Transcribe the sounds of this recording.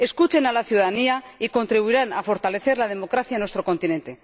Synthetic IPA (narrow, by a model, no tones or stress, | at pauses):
e̞skut͡ʃe̞nalaθjuðaðania | iko̞nt̪ɾiβuiɾanafo̞ɾt̪ale̞θe̞ɾlað̞e̞mo̞kɾaθjanwe̞st̪ɾo̞kõ̞nt̪inẽ̞nt̪e̞